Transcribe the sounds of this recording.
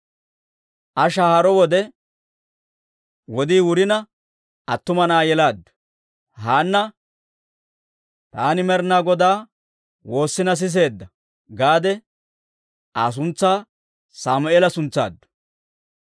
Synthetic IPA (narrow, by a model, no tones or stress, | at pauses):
ʔɐʃahɐɾɔwɔd̪ɛ | wɔd̪iːwʊɾɪnɐ | ɐt̪ːʊmɐnaːjɛlaːd̪ːʊ̥ | haːnːɐ | t̪aːnɪmɛɾnaːɡɔd̪aː | wo̞ːsːɪnɐs̬ɪs̬e̞ːd̪ːɐ | ɡaːd̪ɛ | a̰ːs̬ʊnt͡sːaː | saːmʊeːlɐsʊnt͡sːa̰ːd̪ːʊ̥